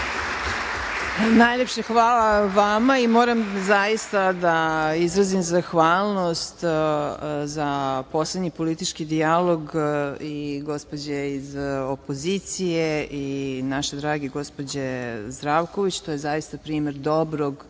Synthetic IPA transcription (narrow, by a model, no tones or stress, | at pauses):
najʎʲepʃexʋaːlaʋamaimo̞ːɾamzajist̪ad̪aizɾazimzaxʋaːlˠnost̪ | zapo̞sled̪ɲipo̞lit̪it͡ʃkid̪ialˠo̞ɡiɡo̞spo̞d͡ʑeizopoziːt̪sijeinaʃed̪ɾaːɡeɡo̞spod͡ʑezd̪ɾaʋko̞ʋit͡ɕt̪ojezajist̪apɾiːmeɾd̪o̞bɾoɡ